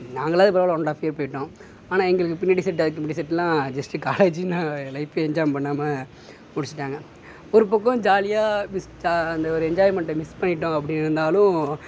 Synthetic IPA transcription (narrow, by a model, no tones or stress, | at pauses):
naːŋɡɐɭaːðɯpɐɾɐʋlɔɳɖaːfɪjɐɾpɐːjɪʈːõː | aːnãːɛŋɡɐɭɯkːɯpɪnːɐʈisɛʈ̬ːɐðɯk̬ːɯmpʈisɛʈːlãːd͡ʒɐsʈɯkaːleːd͡ʒinãːlɐɪfeɛɲd͡ʒaːjmpɐɳːaːmɐ | mʊɽɪt͡ʃːɪ̥ʈːaːŋɡɐ | ɔɾɯp̬ɐkːɐ̃d͡ʒaːlɪjaːmɪsd͡ʒɐnd̪ɐɔɾɯɛɲd͡ʒaːjmɛɳʈmɪspɐɳːɪʈːʊ̃ɐpːɐɽɪnɪɾɯnd̪aːlʊ̃